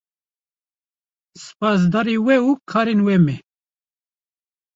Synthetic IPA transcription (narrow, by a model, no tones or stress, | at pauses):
sɨ̥pɑːs̬d̪ɑːɾiwɛukʰɑːɾenwɛmɛ